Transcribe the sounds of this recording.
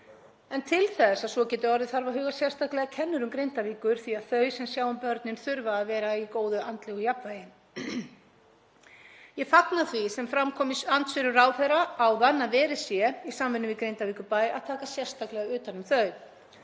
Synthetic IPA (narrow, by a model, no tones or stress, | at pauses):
ɛnt̪ʰɪlθɛsaðsɔcɛːt̪ʏɔɾðɪθaɾvaɦʏːɣḁsjɛr̥st̪ʰaklɛɣacʰɛnːʏɾʏmkɾejnt̪aviːkʏɾ̥θiaðθœɥsɛmsjaːwʏmpœɾt̪nɪnθʏɾvaːvɛːɾaikoːwðʏant̪lɪɣɔjapvaːjɪn | jɛfaknaθvisɛmfɾamkʰɔːmɪsant̪svɪɾʏraːwfɛɾaːwðanːavɛːɾɪ̥sjɛisaːmvɪnʏmvɪðkɾejnt̪aviːkʏpaːja̰ðt̪ʰaːkasjɛr̥st̪aklɛɣaʏːt̪anʏmθœɥ